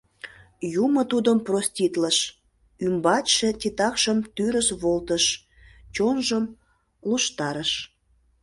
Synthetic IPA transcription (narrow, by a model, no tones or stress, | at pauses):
jumət̪ud̪əmprosʲtʲit̪ləʃ | ymbɑtʃetʲit̪ɑkʃəmt̪yɾəʃβolt̪əʃ | t͡ɕonʒəm | luʃt̪ɑɾəʃ